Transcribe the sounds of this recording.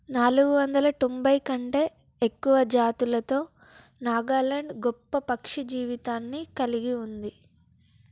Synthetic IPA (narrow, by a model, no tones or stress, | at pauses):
naːluɡuʋɐnd̪ɐlɐt̪ombɐjkɐɳʈe̞ː | ekːuʋɐd͡ʒaːt̪ulɐt̪o̞ː | naːɡaːlɐɳɖɡɔpːɐpɐkʂid͡ʒiːʋit̪aːnːikɐliɡiund̪i